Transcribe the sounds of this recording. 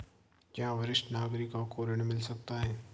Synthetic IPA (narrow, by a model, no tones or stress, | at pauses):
kjaːʋɐɾɪʃʈnaːɡɾikakoːɾəɽ̃mɪlsɐk̚t̪aɦɛː